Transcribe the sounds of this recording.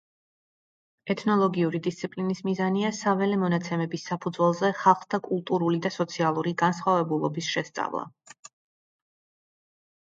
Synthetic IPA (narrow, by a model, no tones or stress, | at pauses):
ɛt̪ʰnɔlˠɔɡiuɾid̪ist̪sʰipʼlinismizaniasavɛlɛmɔnat̪sʰɛmɛbisːapʰud̪zwɛlˠzɛχalˠχd̪ʰakʼulˠt̪ʼuɾulid̪asɔt̪sʰialˠuɾiɡansχwavɛbulˠɔbisʃɛst̪sʼa̰vlˠa̰